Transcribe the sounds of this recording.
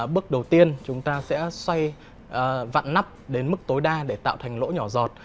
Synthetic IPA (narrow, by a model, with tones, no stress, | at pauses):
ɓɨ˦˥ək̚ɗə˨˩wt̪i˧ənt͡ɕʊ˨˦ŋ͡mt̪aː˧sɛ̰˧˥swa˧j | ʔva̰˧˨nna˦˥p̚ɗe˨˦nmɨ˦˥k̚t̪o˨˦jɗaː˧ɗe˧˩t̪a̰ː˧˨wt̪ʰa˨˩jŋ̟lo̰˧˥ɲɔ˧˩zɔ˨˩t̚